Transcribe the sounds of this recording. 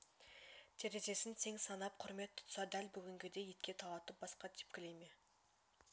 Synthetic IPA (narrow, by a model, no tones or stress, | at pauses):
t̪ʰeɾe̞ʒe̞sɪnt̪ʰe̞ŋsɑnɑp̚qʰʊɾme̞t̪ʰːʊ̥t̪ʊ̥sɑd̪ælbʏɡʲɪŋɡʲɪd̪e̞jet̪̚kʲe̞t̪ʰɑlˠɑt̪əp̚bɑsqɑt̪ʰe̥p̚kʲɪlejme